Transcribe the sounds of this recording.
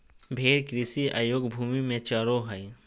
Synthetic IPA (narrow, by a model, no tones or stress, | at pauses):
bʱeːɾkɾɪsiʔa̰ːjoːɡbʱuːmimẽt͡ʃaːɾoɦai